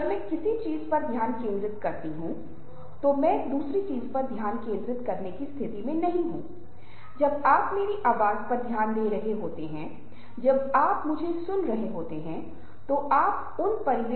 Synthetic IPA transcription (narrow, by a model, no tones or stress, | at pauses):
mɛ̃ːkɪsit͡ʃiːzpɐɾd̪ʱjaːnkẽːnd̪ɾɪt̪kɐɾt̪iɦũ | t̪omɛ̃ːd̪uːsɾit͡ʃiːzpɐɾd̪ʱjaːnkẽːnd̪ɾɪt̪kɐɾnekist̪ʰɪt̪imẽnɐɦĩɦũː | d͡ʒɐbaːpmeːɾiʔaːʋaːzpɐɾd̪ʱjaːnd̪eːɾɐɦeɦoːt̪eɦɛ̃ | d͡ʒɐbaːpmʊd͡ʒʱesʊnɾɐɦeɦoːt̪eɦɛ̃ | t̪oʔaːp̚ | ʊnpɐɾɪʋ